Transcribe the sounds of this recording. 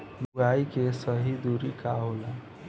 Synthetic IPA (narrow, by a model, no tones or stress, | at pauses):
buajkesʌɦid̪uɾikaɦola